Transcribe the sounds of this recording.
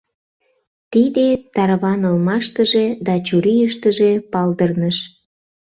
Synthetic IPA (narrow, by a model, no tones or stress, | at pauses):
t̪id̪et̪ɑɾβɑnəlmɑʃt̪əʒe̽d̪ɑt͡ɕuɾijəʃt̪əʒepɑld̪ərnəʃ